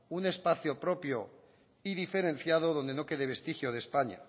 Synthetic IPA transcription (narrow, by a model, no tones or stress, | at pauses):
une̞spaθjopɾo̞pjo | iðife̞ɾẽ̞n̟θjað̞oðond̪eno̞ke̞ðeβ̞e̞st̪ixjoðespaɲa̰